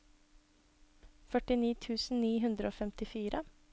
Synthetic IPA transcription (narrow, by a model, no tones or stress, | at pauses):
fœʈɪniːt̪ʰʉːsn̩niːɦʉnd̪ɾəʔoːfɛmt̪ɪfiːɾʔə